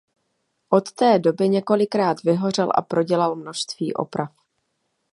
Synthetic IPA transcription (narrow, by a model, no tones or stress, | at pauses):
ʔo̞t̪ːɛːdo̞bɪɲɛko̞lɪkɾaːt̪vɪɦo̞r̝ɛlʔa̰pɾo̞ɟɛlalmnoʃst̪vḭːʔo̞̰pɾaf